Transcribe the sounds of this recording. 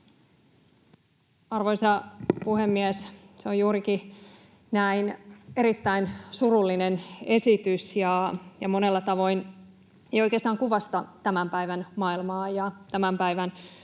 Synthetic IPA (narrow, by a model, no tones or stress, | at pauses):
ɑrʋo̞isɑpuhemːies | seojuːɾiki | næine̞ɾit̪ːæinsurulːinene̞sit̪ysjɑjɑmo̞nelːɑt̪ɑʋo̞in | ejojkeɑst̪ɑːŋkuʋɑst̪ɑt̪æmæmpæiʋænmɑilmɑːjɑt̪æmæmpæiʋæn